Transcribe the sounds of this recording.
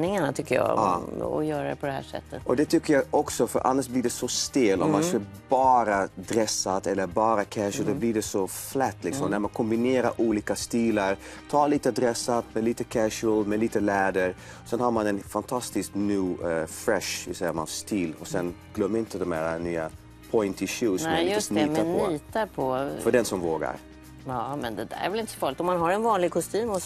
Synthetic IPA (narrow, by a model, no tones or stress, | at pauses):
nɪŋaɳat̪ʰʏkːəjɑ̰ːɑːɔ̰jœːɾad̪ɛpʰɔd̪ɛhæ̰ːʂɛ̰t̪ːət̪ɔd̪ɛt̪ʰʏkːəɾjɑʔɔksɔfœ̰ɾʔa̰nːaʂblɪɖɛsɔst̪eːlɔ̰mansk̪ | bɑːɾad̪ɾɛsat̪ɛlːəɾbɑːɾakʰæʂəld̪ɔblɪɖɛsɔflɛt̪ːlɪksɔmnæɾmankʰɔmbɪneːɾaɾʔuːliːkast̪iːlaɾt̪ʰɑːliːt̪əd̪ɾɛsːat̪mɛliːt̪əkʰæʂəlmɛliːt̪əlɛːd̪əɾ | sɛnhaɾmanɛnfant̪ʰast̪ɪsknʉːfɾɛʂvɪsɛjːama̰nst̪iːlɔsɛnɡ̥lœmːɪnt̪əd̪ɔmæːɾanyːa̰ | pʰɔɪnt̪ʰɪʃuːsɔmaɪssnyːt̪ap̪ːɔyːt̪aɾpʰɔffœɖɛnsɔmvoːɡa̰ɾ | ɑmɛnd̪ɛd̪æ̰ɾɛ̰vɛlɪnt̪ə̥sɔ̥fɑːɾlɪkt̪ɔmanɦaɾɛnvɑːnlɪɡ̚kʰɔst̪yːmɔ